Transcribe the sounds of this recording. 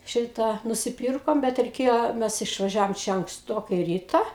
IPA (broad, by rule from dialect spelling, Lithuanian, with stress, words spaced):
ˈʃʲɪtɑː nʊsʲɪˈpʲiːrkoːm ˈbʲɛt rʲɛɪˈkʲeːjoː ˈmʲɛs ɪʃʋɐˈʒʲæːʋoːm ˈt͡ʃʲɛ ɐŋksˈtoːkɐɪ ˈrʲiːtɐ